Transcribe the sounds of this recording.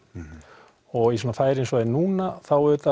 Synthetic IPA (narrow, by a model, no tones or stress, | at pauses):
ɔɣisɔːnafaːjɾɪensvaðɪnuːnaθawʏːt̪a